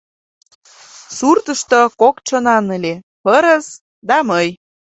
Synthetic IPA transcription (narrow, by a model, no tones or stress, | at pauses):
surt̪əʃt̪okokt͡ɕənɑnəlʲe | pəɾəs | d̪ɑməj